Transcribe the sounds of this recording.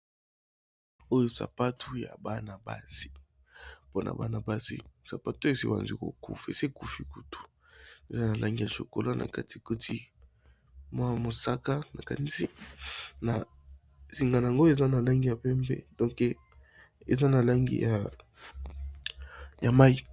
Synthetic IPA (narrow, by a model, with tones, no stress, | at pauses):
o˦jo˦sa̰˨pa˦tʰu˦ja̰˨ba˦na˨ba̰˦si̥˨ | po˦nʔa̰˨ba˨na˨ba˦sḭ˦sa˨pa˦te˨sḭ˦ba̰˨nzḭ˦ko̰˨kṵ˦fḛ˨se˦ku˦fi˨ku˨tu̥˨ | e˨za˦na˨lʔa˦ŋɡi˦ja˨ʃo̰˨ko˨la˦nʔa̰˨ka˦ti˨ko˦tʰi˦ | mwa˦mo˨sa˦ka˦na˨ka˨ni˦si˦na˨ | si˨ŋɡa˨na˨ŋɡo˦e˨za˦na˨la˦ŋɡi˦ja˨pɛ˦mbɛ̰˦dɔ̃˦ŋkɛ˨ | ḛ˨za˦na˨la˦ŋɡḭ˦ja˨ | ja˨ma˦i˦